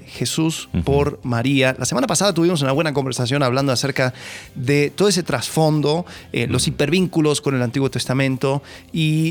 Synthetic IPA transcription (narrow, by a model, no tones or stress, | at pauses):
xe̞suspoɾmaɾialasemanapasað̞at̪uβimos̬unaβwe̞nak̬o̞mbe̞ɾsas̬jo̞naβland̪oase̞ɾkaðet̪oðoese̞t̪ɾasfo̞nd̪o̞̰lo̞sipeɾβiŋkulo̞sko̞ne̞lant̪iɣwo̞t̪e̞st̪amẽnt̪o̞ | i